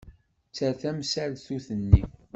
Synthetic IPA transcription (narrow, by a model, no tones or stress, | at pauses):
t͡sːæθæmsælθuθənːi